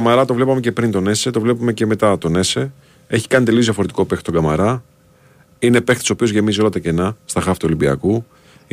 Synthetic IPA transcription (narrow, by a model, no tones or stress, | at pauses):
mɐɾɐt̪o̞vle̞pɐme̞ce̞pɾint̪o̞ne̞se̞t̪o̞vle̞pume̞ce̞me̞t̪ɐt̪o̞ne̞se̞ | e̞çi̥kɐnit̪e̞liozjɐfo̞ɾe̞t̪i̥ko̞pe̞xt̪t̪oɡɐmɐɾɐ | ine̞pext̪so̞pio̞zʝe̞mizio̞lɐt̪ɐce̞nɐst̪ɐxɐft̪olibiɐ̰ku